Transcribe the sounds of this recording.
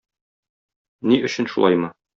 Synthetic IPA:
niʔɵ̆ɕɘ̆nʃṵlˠɑ̰jmɤ

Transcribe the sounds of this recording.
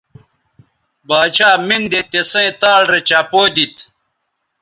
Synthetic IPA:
baːt͡ɕaːmind̪et̪esẽːt̪aːlɾet͡ɕapoːd̪it̪

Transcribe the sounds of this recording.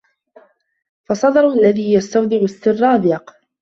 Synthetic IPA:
fɑsˤɑd̪ɑɾˤʔalːaðiːjast̪awd̪ɪʕʊst̪ɪrːɑːb̪ɪjɑq

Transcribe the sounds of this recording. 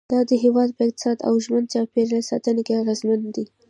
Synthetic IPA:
d̪ɑd̪əɦewɑd̪̚pəɪq̚t̪ɪ̥sɑd̪a̰wʒmənd̪̚t͡ʃɑpeɾasɑ̰t̪ənekeaɣezmand̪i

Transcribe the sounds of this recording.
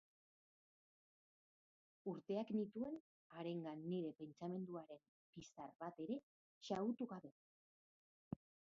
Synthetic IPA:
uɾt̪e̞aknit̪ue̞n | aɾe̞ŋɡanːiɾe̞pe̞nt͡ʃame̞nd̪uaɾe̞m | pist̪aɾβat̪e̞ɾe̞ | ʃaut̪uɣaβe̞

